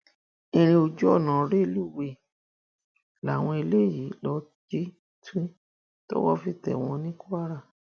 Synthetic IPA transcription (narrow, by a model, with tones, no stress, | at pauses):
ĩ˧ɾ̃ĩ˧o˧d͡ʒu˦ɔ˦˨nã˨ɾe˦˧lu˦˨we˧˨ | la˨w̃ɔ̃˧e˧le˦˨ji˨˦lɔ˧˦ | d͡ʒe˦ | ti˦ | to̰˦wɔ˦fi˦˧˨tɛ̰˨w̃ɔ̃˧nĩ˦ku˦a˦ɾa˦˨